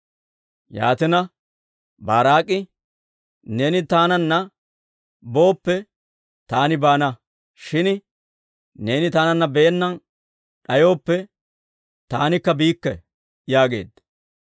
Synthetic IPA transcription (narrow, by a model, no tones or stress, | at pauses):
ja̰ːt̪ɪnɐ | baːɾaːkʼːɪ | ne̞ːnɪt̪aːnɐnːɐ | bo̞ːpːɛ | t̪aːnɪbaːnɐ | ʃɪn | ne̞ːnɪt̪aːnɐnːɐbeːnːɐn | ɗɐjo̞ːpːɛ | t̪aːnɪkːɐbiːkːɛ | jaːɡe̞ːd̪